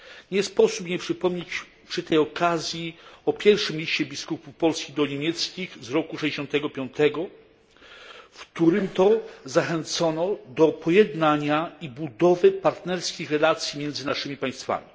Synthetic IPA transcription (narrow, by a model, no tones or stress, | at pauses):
ɲɛspɔsupɲɛpʂɘpɔmɲet͡ɕ | pʂɘt̪ɛjɔkazʲjiɔpʲjɛɾfʂɘmlʲiɕt͡ɕɛbʲiskupupɔlskʲid̪ɔɲemʲjɛt̪skʲixzɾɔkuʂɛd͡ʑeɕɔnt̪ɛɡɔpʲjɔnt̪ɛɡɔ | fkt̪uɾɘmt̪ɔzaxɛnt̪sɔnɔd̪ɔpʰɔjɛd̪naɲaibud̪ɔvɘpaɾt̪nɛɾskʲixɾɛlat̪sʲjimʲjɛnd̪zɘnaʂɘmʲipaj̃st̪fa̰mʲi